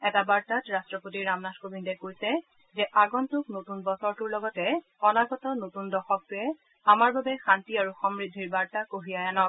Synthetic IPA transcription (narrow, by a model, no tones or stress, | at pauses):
ɛtabaɹtatɹastɹɔpotiɹːamnaskobindɔkojsɛ | zɛʔaɡɔntʊknotunbɔsɔɹtuɹlɔɡɔtɛ | ɔnaɡɔtɔnotundɔxɔk̚tʊɛ | amaɹbabɛxantiaɹuxɔmɹid̪ʱːiɹbaɹtakoɦijajanɔk